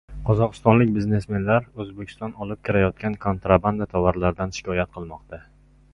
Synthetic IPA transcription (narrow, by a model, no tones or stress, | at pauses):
qʰɒzɒqɨ̥st̪ɒnlɪk̚ʲbɪzne̞sme̞nlaɾɵzbekʲʰst̪ɒnɒlɪp̚kʲʰɪɾajɒt̪̚kʲankʰont̪ɾaband̪at̪ʰavaɾlaɾd̪anʃɪ̥kʲʰɒjat̪̚qʰɨlˠmɒqt̪ʰa